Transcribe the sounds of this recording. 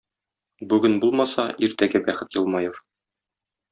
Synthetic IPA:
bʉɡɘnbulˠmɑsɑʔiɾt̪æɡæbæχɘt̪jɤ̆lˠmɑjɤɾ

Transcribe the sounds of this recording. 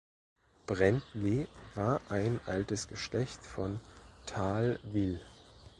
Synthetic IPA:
b̥ʁɛntleːvaːɐʔaɪnʔaltəsɡ̥əʃlɛçtfɔntʰaːlvɪl

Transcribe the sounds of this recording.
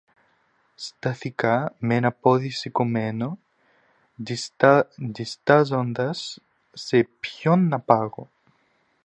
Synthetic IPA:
st̪ɐθikamenɐpoðisekomeno | d̪ist̪ɐzond̪ɐsː | epçonːɐpaɣo

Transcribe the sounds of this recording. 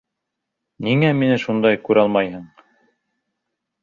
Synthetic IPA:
niŋæminɘʃund̪ɑjkʉɾɑlˠmɑjhɤɴ

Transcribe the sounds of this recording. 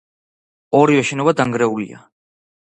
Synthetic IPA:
ɔɾivɛʃɛnɔbad̪aŋɡɾɛulḭa̰

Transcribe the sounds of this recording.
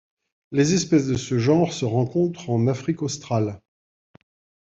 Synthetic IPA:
lezɛspɛsd̪əsəʒɑ̃ʁsəʁɑ̃kɔ̃t̪χɑ̃nafχikɔst̪χal

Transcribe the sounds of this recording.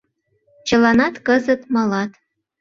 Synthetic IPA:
t͡ɕəlɑnɑt̪kəzət̪mɑlɑt̪

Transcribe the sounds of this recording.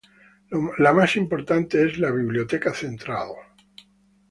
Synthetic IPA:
lamasimpo̞ɾt̪ant̪eezlaβiβljot̪ekaθent̪ɾaðo

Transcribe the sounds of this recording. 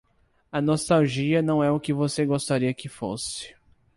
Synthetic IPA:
ɐnost̪awʒiɐnɐ̃w̃ɛʊkɪvoseɡost̪aɾiɐkɪfo̰sɪ̥

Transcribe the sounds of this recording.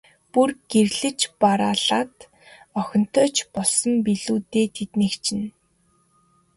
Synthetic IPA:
purɡ̥erɮɘ̆t͡ɕpaɾaːɮaːt̪ | ɔxʲɞ̆n̥t̪ʰœːt͡ɕpɔɮsɞ̆mpiɮuːt̪eːt̪ʰet̪nĭːkt͡ɕʰɪ̆n

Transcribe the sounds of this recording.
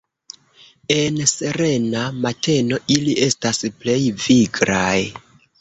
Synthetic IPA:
e̞nse̞ɾe̞namatʰe̞no̞ʔiliʔe̞stasple̞jviɡɾaj

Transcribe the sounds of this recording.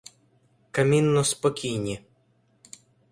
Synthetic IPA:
kɐmʲinːɔspɔkʲijnʲi

